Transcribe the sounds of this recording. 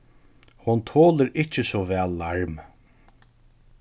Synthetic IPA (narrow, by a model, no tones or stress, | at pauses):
hʊnt̪ʰoːləɾɪt͡ʃːəsɔvɛːlːaɹm